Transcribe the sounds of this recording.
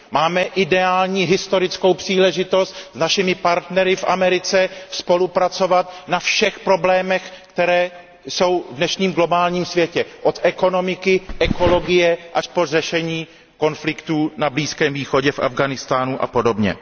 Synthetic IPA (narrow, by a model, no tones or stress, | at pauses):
maːmɛʔɪdɛaːlɲiːɦɪst̪o̞ɾɪt͡sko̞wpr̥iːlɛʒɪt̪o̞st̪znaʃɪmɪpaɾt̪nɛɾɪfʔa̰mɛɾɪt͡sɛspo̞lupɾat͡so̞vat̪nafʃɛxpɾo̞blɛːmɛxkt̪ɛɾɛː | so̞wvdnɛʃɲiːmɡlo̞baːlɲiːmsvjɛcɛʔo̞t̪ʔɛko̞no̞mɪkɪʔɛko̞lo̞ɡɪjɛʔaʃporɛʃɛɲiː | ko̞nflɪkt̪uːnabliːskɛːmviːxo̞ɟɛfʔa̰vɡanɪst̪aːnuʔa̰po̞do̞bɲɛ̰